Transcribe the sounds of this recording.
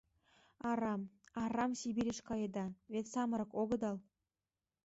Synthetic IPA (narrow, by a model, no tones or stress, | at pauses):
ɑɾɑmɑrɑmsibiɾʲeʃkɑjed̪ɑβet̪sɑmɤ̆ɾɤ̆koɣɤ̆d̪ɑlˠ